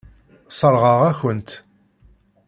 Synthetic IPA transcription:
sˤəɾʁəʁæçənt̪

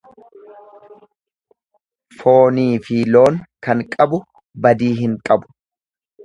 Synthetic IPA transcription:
fo̞ːniːfilo̞ːŋkɐŋkʼɐbʊ | bɐd̪iːɦɪŋkʼɐbʊ̥

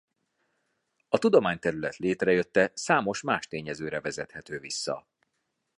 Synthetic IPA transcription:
ɒt̪ud̪o̞maːɲt̪ɛɾylɛt̪leːt̪rɛjø̞t̪ːɛsaːmo̞ʃmaːʃt̪eːɲɛzøːɾɛvɛzɛt̪hɛt̪øːvisːɒ̰

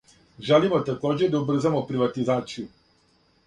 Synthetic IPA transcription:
ʒelimot̪ako̞ːd͡ʑed̪aubr̩zamo̞pɾiʋat̪izaːt̪siju

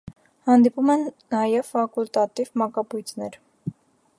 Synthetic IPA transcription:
hɑnd̪ipumɛnːɑjɛvfɑkult̪ɑt̪ivmɑkɑpujt̪ʰnɛɾ

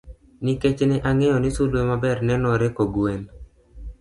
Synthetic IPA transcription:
niket͡ʃnɛʔaŋɛjɔnisulwemabɛɾnɛnɔɾekoɡwen

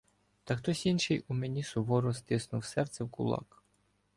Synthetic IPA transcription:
t̪ɐxt̪ɔsʲinʃɪjʊmenʲisʊʋɔɾɔst̪ɪsnʊwsɛrt̪sɛwkʊ̰lˠɑ̰k

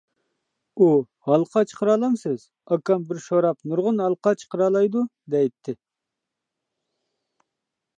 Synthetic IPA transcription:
u | hɑlˠqʰɑt͡ʃʰə̥qʰəɾɑːlˠɑmsɪz̥ | ɑkɑmbɪɾʃoɾɑpnuɾʁʊnɦɑlˠqʰɑt͡ʃʰə̥qəɾɑːlˠɑjd̪ud̪ɛjt̪ʰːɪ

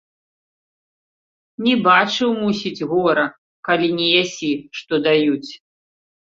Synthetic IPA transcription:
nʲɛbat͡ʂɨwmusʲid͡zʲɣɔɾɐ | kalʲinʲɛjasʲiʂt̪ɔd̪ajut͡sʲ

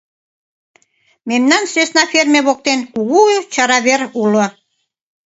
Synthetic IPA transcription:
memnɑnsesnɑfermʲeβok̚t̪enkuɣut͡ɕɑɾɑβeɾulŏ

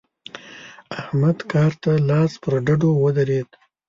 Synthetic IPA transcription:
ahmad̪kɑɾt̪alɑspəɾɖaɖowəd̪aɾed̪̚

